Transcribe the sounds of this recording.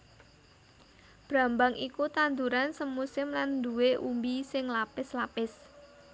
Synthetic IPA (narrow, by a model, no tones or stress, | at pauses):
b̥ɾa̤mbaŋʔikut̪and̪uɾansəmːusɪmland̪uweʔumbisɪŋlapɪslapɪs